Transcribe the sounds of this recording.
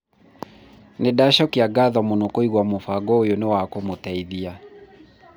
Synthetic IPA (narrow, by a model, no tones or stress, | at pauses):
nedaʃɔkiaɡaðwamonokoiɣwamofaɡɔojonewakomotaiðia